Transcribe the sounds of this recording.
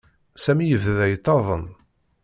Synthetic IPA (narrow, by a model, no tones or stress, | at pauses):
sæmijəvðæjt̪ˤːɑðˤən